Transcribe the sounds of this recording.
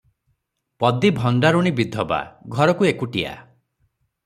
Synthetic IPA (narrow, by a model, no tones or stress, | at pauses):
pɔd̪ibʱɔɳɖaɾuɽ̃ibid̪ʱːɔba̰ɡʱɔɾɔkuekuʈia̰